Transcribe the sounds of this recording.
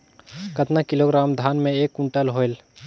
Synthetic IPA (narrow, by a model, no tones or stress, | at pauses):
kət̪nakiloɡɾamd̪ʱanmeekuɳʈəlɦoel